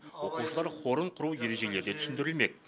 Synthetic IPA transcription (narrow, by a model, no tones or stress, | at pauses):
wo̞quʃəlˠɑɾχo̞ɾəɴqʰʊɾuwje̞ɾe̞ʒe̞le̞ɾd̪e̞t̪ʰʏ̥sɪnd̪ɪɾɪlme̞k̚